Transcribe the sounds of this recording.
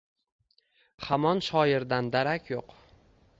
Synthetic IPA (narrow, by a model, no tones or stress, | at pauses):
hamɒnʃɒjɪɾd̪and̪aɾakʲʰjoq